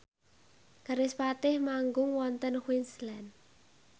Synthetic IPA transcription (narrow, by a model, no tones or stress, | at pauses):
ɡ̥a̤ɾɪspat̪ɪhmaŋɡʊŋwɔnt̪ənxwinslɛn